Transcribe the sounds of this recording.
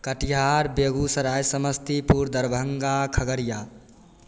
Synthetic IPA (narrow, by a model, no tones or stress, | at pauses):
kəʈiɦaɾbeɡusəɾajsəməst̪ipuɾd̪əɾbʱəŋɡakʰəɡəɾija